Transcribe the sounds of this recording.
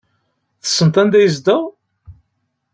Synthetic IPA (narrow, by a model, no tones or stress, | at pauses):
θə̥sːənt̪ænd̪æjəzd̪əʁ